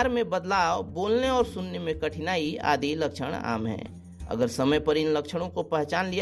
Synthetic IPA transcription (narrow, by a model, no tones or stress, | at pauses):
ɾmẽbɐd̪laːoboːlneɔːɾsʊnːemẽkɐʈʰɪnaːia̰ːd̪ilɐkʃʰə̰ɽ̃a̰ːmɦɛ̰̃ː | ɐ̰ɡəɾsɐməjpɐɾɪnlɐkʃəɽ̃õkopɛɦt͡ʃaːnlia